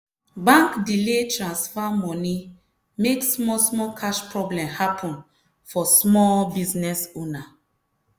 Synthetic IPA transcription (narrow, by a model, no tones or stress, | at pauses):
bãŋkdiletɹãnsfamɔ̃ni | meksmɔsmɔkʰaʃpɹɔblɛ̃mhapʰɔ̃n | fɔsmɔlbiznɛsona